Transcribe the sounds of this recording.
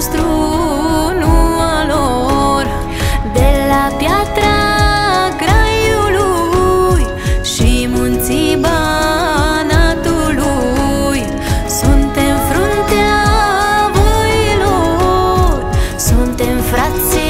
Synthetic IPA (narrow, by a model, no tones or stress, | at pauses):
st̪ɾu | numəlo | r | d̪elapjat̪ɾa | ɡɾajulu | j | ʃimunt̪siba | nat̪ulu | j | sunt̪emfɾont̪ea | vojilo | ɾsunt̪emfɾat̪se